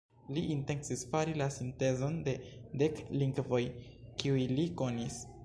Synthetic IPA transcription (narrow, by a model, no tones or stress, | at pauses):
liʔinte̞nsisfaɾilasinte̞zo̞nde̞de̞kliŋɡvo̞jkiujliko̞nis